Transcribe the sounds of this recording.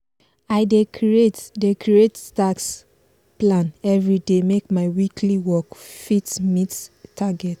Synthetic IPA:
aɪdekietdekʰɹietstaks | plãnɛvɹidemekmaɪwikʰliwɔkfitmittʰːaɡɛt

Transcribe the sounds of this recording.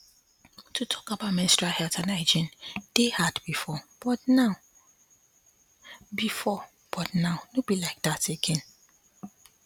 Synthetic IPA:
tʰutʰɔ̥kabaʊtmɪ̃nɪstɹahɛltʰanaɪd͡ʒĩnd̥ehadbifɔb̥ɔtnãʊ | bifɔ | b̥ɔtnãʊnõbilaɪk̚dateɡɛ̃n

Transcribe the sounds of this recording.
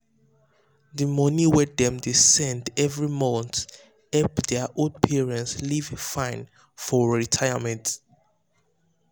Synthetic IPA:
dimɔniwɛdɛ̃mdisɛ̃ndɛvɹimɔ̃nt | ɛpdɛaʔodpʰiɹɛ̃ntslivfãɪ̃n | fɔɹitʰajamɛ̃nt

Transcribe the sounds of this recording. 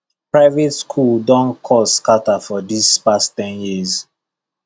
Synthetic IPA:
pɹaɪvetskʰuldɔ̃nkʰɔskatafɔdispasttɛ̃njiz

